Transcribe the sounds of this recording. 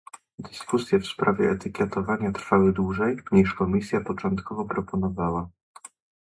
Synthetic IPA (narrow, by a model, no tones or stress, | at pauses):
d̪ɘskusʲjɛfspɾavʲjɛːt̪ɘkʲɛt̪ɔvaɲat̪ɾfawɘd̪wuʐɛjɲiʂkɔmʲisʲjapɔt͡ʂɔnt̪kʰɔvɔpɾɔpɔnɔvawa